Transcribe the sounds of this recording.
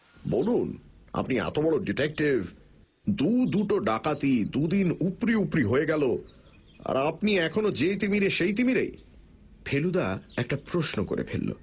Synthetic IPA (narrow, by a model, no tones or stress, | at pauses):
bonuna̰pnia̰t̪obɔɭoɖiʈek̚ʈiv | d̪ud̪uʈoɖakat̪id̪ud̪inupɾiupɾiɦoeɡɛlo | a̰ɾapniɛkʰonod͡ʑet̪imiɾeʃejt̪̬imiɾḛj | pʰelud̪aɛk̚ʈapɾoʃnoko̰ɾḛpʰḛlːo̰